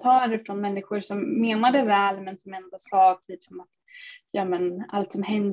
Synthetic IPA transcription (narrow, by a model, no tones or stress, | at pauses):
t̪ʰɑːɾəɾfɾɔnmɛnːɪɧʊɾʂɔmːeːnad̪əvɛːlmɛnsɔmɛnd̪osɑːt̪ʰyːpsɔmat̪ | jɑːmɛna̰lt̪sɔmhɛn